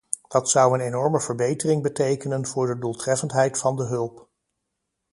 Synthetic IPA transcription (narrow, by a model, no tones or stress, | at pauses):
d̥ɑtsɑwənejnɔɹməvəɹbejtərɪŋbətejkənənv̥ʊːɹdədulˠtrɛfəntɦɛjtfɑndəɦɵlˠp